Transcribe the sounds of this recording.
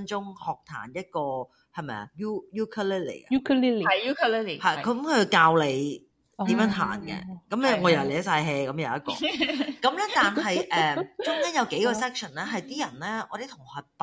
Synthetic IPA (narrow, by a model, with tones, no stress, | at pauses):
nt͡ʃʊ˥ŋhɔː˨˩k̚t̪ʰa̰ː˨˩njɐ˥t̚kɔː˧ | hɐ˨˩jmɐ˨jɐ̰˨juː˥juː˥kʰɐ˥li˥lḭ˨˩ɐ˦u˥kʰli˥lu˥kːhɐ˨jʰkɐ˨˥mkʰːkaː˧wle˨˧j | t̪iː˨˥mjœː˨˥nt̪ʰa̰ː˨˩nkɛ̰˧kɐ˨˦mɛ˧ŋɔː˨˧jɐ˨˩lɛː˨˥saː˧jɦɛː˧kɐ˨˦mjɐ˨˧wɐ˥t̚kɔ̰ː˧kɐ˨˥mlɛː˥t̪aː˨nhɐ˨jʔɛː˨˩t͡ʃʊ˥ŋkɐː˥jɐ˨˧wke˨˥jkɔː˧sɛː˥k̚sʰə˨˩nlɛː˥ɦɐ˨jt̪iː˥jɐ˨˩nlɛː˥ʔɔː˧t̪e˨˥jt̪ʰʊ˨˩ŋhɔː˨˧p